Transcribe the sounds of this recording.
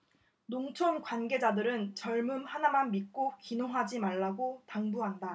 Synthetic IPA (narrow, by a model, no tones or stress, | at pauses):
noŋt͡ɕʰonkwanɡe̞d͡ʑadɯɾɯnt͡ɕʌɭmɯmhanamanmik̚k͈okinoŋɦad͡ʑimaɭːaɡotaŋbuɦanda